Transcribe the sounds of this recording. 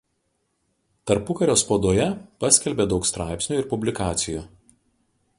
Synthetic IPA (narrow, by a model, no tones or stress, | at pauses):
t̪ɐɾpʊkɐɾʲoːspoːd̪oːjɛpɐsʲkʲɛlʲbʲed̪ɒʊkst̪ɾɑˑɪpʲsʲnʲuːˑɪɾpʊbʲlʲɪkɑːt̪sʲɪjuː